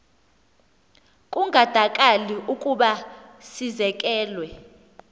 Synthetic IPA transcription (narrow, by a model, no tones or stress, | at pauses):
kʼuŋʱad̥ʱakʼaliukʼuɓasizɛk̬ʼɛːlwɛ